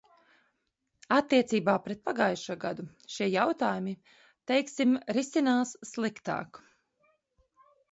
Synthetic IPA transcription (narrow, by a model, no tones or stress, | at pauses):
at̪ːiɛt̪siːbaːpɾɛt̪̚paɡajʃuɔɡad̪u | ʃiɛjawt̪aːjumi | t̪ɛjksimɾisinaːsːlˠikt̪a̰ːk